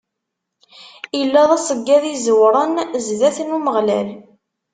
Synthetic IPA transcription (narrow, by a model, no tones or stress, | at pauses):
jəlːæðˤæsəɡːæðizəwɾˤənzðæθnuməʁlæ̰l